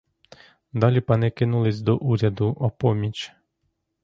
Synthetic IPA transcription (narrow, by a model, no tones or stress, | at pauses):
d̪ɑlʲipɑnɪkɪnulˠɪsʲd̪ɔʔuɾʲɐd̪ʊʔɔpɔmʲit͡ʃ